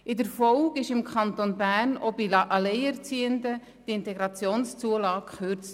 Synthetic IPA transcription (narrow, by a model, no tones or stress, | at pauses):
ʔɪdəɾfɔlɡɪʃɪmkʰχɑnt̪onbæɾnobiʔɑleɪɛɾt͡siːəndə | d̥iɪntɛɡɾɑt͡sjoːnst͡suəlɑːkχøɾt͡st